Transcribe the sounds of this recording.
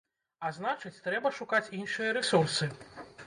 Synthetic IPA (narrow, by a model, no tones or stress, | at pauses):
aznat͡ʂɨt͡sʲt̪ɾɛbɐʂukat͡sʲinʂɨjɐɾɛsursɨ